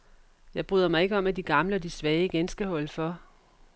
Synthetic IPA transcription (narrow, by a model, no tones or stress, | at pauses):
jɑ̈ɪb̥ʁyðˠɐmɑ̈ɪe̝ɡ̥əɒ̽mæd̥iɡ̥ɑ̈mləɒ̽d̥isʋɛːɪiɡ̥ensɡ̥əhɒ̽l̰əfɒ̽